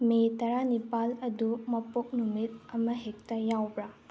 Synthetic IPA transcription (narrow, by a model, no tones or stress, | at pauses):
metɐɾanipalɐdumɐpok̚numit̚ɐmɐɦek̚tɐjawbɾa